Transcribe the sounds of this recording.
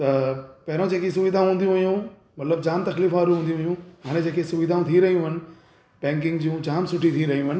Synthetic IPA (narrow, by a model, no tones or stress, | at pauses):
t̪ɐpɐɦɪɾõd͡ʑeːkis̬ʊʋiːd̪ʱãɦũːn̆d̪ijũʋijũ | mɐt̪ləbd͡ʑaːnt̪ɐkliːfaːɾũɦũːnd̪ijũɦijũɦaːɽ̃ẽd͡ʑeːkʰesʊʋiːd̪ʱãːũt̪ʰiɾɐɦijũɦɐnɪ̆ | pɛ̃ːŋk̬ɪ̃ŋɡd͡ʑiːũd͡ʑaːmsʊʈʰit̪ʰiɾɐɦijũɦɐnɪ̆